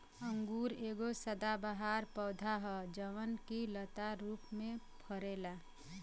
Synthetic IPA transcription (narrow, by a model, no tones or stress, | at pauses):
əŋɡuːɾeːɡosəd̪abəɦaɾpəːd̪ʱaɦəd͡ʒəʋənkilət̪aɾuːpmẽpʰəɾeːla